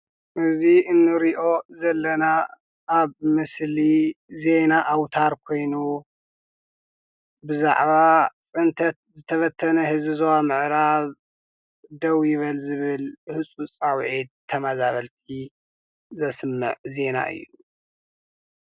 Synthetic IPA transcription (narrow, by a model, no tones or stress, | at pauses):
ʔɨziʔɨnːɨɾiʔo̞zɐlːɐna | ʔaβmɨslize̞naʔawt̪ʰaɾkʰo̞jnu | bɨza̰ʕβat͡sʼɨnt̪ʰɐt̪̚zɨt̪ʰɐfɐt̪ʰːɐnɐhɨzbizɐwamɨʕɾaβ | d̪ɐwjɪβɐlzɨβɨlhɨt͡sʼut͡sʼawʕit̪ʰːɐmazaβɐlt̪ʰi | zɐsmːɨ̰ʕze̞na̰ʔɨ̰jːu